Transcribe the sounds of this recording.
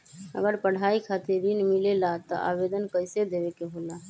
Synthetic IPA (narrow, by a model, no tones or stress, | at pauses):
ə̰ɡəɾpəɽ̤aikʰat̪eɾinmilelat̪ɔ̰ʔa̰bed̪ənkəɪsed̪ebekeɦola